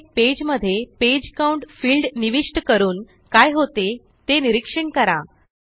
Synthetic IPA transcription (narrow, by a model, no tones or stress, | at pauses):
ped͡ʑməd̪ʱːjeped͡ʑkauɳʈfiːlɖniʋiʂʈkəɾuːn | kajɦot̪e | t̪eniɾikʂəɳkəɾa̰